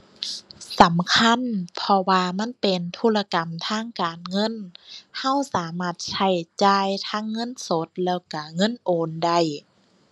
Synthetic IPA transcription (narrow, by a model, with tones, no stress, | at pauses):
sa˨˦mkʰa˧˥˨npʰɔ˧waː˧ma˧˥˨npe˨nt̪ʰuː˧˥˨la˧ka˨mt̪ʰaː˧˥˨ŋkaː˨nŋɤ˧˥˨nha˧˥˨wsaː˨˦maː˧˥˩t̪̚sʰa˧˩jt͡ɕaː˧˩jt̪ʰaː˧˥˨ŋːɤ˧˥˨nso˧˦t̪̚lɛː˧˩wka˧˩ŋɤ˧˥˨nʔoː˨nda˧˩˨j